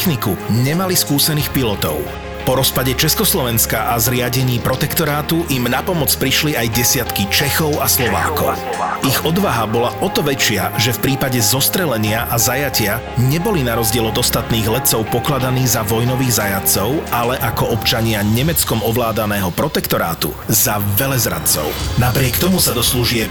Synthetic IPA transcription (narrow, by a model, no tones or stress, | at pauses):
xnikuɲɛmaliskuːsɛniːxpilɔt̪ɔ̰ʊ | pɔɾɔspaɟɛt͡ʃɛskɔslɔʋɛnskaʔazɾɪaɟɛɲiːpɾɔt̪ɛkt̪ɔɾaːt̪uʔimnapɔmɔt͡spɾiʃliajɟɛsɪat̪kit͡ʃɛxɔʊaslɔʋa̰ːkɔʊʔiɣɔd̪ʋaɦabɔlaʔɔt̪ɔʋɛt͡ʃɪaʒɛfpɾiːpaɟɛzɔst̪ɾɛlɛɲɪaʔazajacɪa | ɲɛbɔlinaɾɔzɟɪɛlɔd̪ɔst̪at̪niːɣlɛt͡sɔʊpɔklad̪aniːɣzaʋɔjnɔʋiːɣzajat͡sɔʊalɛʔakɔɔpt͡ʃaɲɪaɲɛmɛt͡skɔmɔʋlaːd̪anɛːɦɔpɾɔt̪ɛkt̪ɔɾa̰ːt̪ṵ | zaʋɛlɛzɾa̰t͡sɔ̰ʊnapɾɪɛkt̪ɔmusad̪ɔsluʒɪɛ